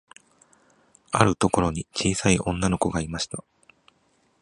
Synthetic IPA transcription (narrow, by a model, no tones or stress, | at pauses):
a̰ɾɯ̟t̪o̞ko̞ɾo̞ɲ̟it͡ɕiːsaiʔõ̞nːano̞ko̞ɡaimaɕi̥t̪a